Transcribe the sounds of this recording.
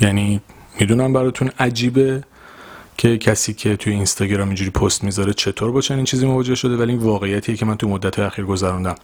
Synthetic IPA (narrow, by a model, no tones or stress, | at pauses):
jæni | mid̪unæmbæɾɒːt̪ʰunæd͡ʒiːbe̞ | cʰe̞cʰæsiːcʰe̞t̪ʰujeinst̪ɒːɟeɾɑːmind͡ʒuɾiːpʰost̪mizɒɾet͡ʃʰe̞t̪ʰoɾbɒt͡ʃʰeniːnt͡ʃʰiːzimovɒːd͡ʒe̞hʃo̞d̪evæliinvɒːɣe̞ijːæt̪ʰiːjecʰemænt̪ʰumod̪ːæt̪hɒjeæxiːɾɡo̞zæɾund̪æm